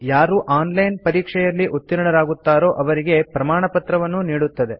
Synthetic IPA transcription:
jaːɾuʔaːnlɐjnpɐɾiːkʂɛjɐlːiʔut̪ːiɾɐɳɐɾaːɡut̪ːaːɾo̞ːʔɐʋɐɾiɡe̞pɾɐmaːɳɐpɐt̪ɾɐʋɐnːuniːɽut̪ːɐd̪e̞

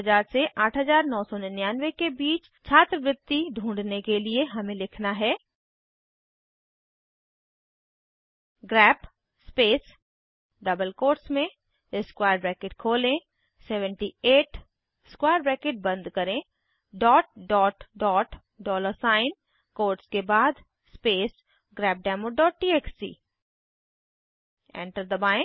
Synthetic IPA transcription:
d͡ʒaːɾseʔaːʈʰɦɐzaːɾnɔːsɔnɪnɪjaːnʋekebiːt͡ʃ | t͡ʃʰaːt̪ɾəʋɾɪd̪ːiɖʱũːɳɖnekelieɦɐmẽlɪkʰnaɦɛː | ɡɾɛːp | speːs | ɖɐbəlkoːɾsmẽ | ɪskwaːjəɾbɾɛːkeːʈ̚kʰoːlẽ | sɛːʋəɳʈieːʈ | skwaːjəɾbɾɛːkeʈ̚bɐ̃nd̪kɐɾẽ | ɖɔːʈ̚ɖɔːʈɖɔːʈ | ɖɔːləsaːɪn | koːɾʈskebaːd̪ | speːs | ɡɾɛːp̚ɖɛːmoɖɔːʈ̚ʈiːeːksḭː | ḛ̃ɳʈəɾd̪əbaːɪ̃

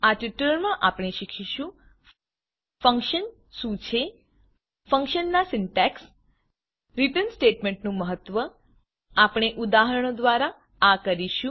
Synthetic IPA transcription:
at͡ʃiʈəlmãʔapɳ̃eʃikʰiʃũ | fəŋkʃən | ʃũt͡ʃʰe | fə̃ŋkʃənːasɪnʈɛks | ɾiʈənsʈeʈmeɳʈnũməɦət̪ːʋə | apɽ̃eʔud̪aɦəɾəɳ̃od̪ʋaɾa | akəɾiʃũ

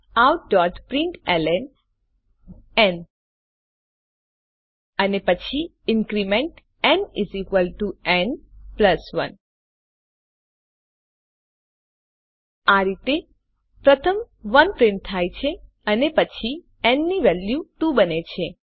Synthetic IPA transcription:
awɖɔɾʈpɾɪ̃ɳʈɛlɛn | ɛn | ənepət͡ʃʰi | ɪŋkɾimẽɳʈ | ɛnizikʋəlʈuɛ̃ɳɖpləsʋən | aɾit̪e | pɾət̪ʰəm | ʋənpɾɪ̃ɳʈ̚t̪ʰajt͡ʃʰe | ənepət͡ʃʰi | ɛnniʋɛljuʈũbənet͡ʃʰe

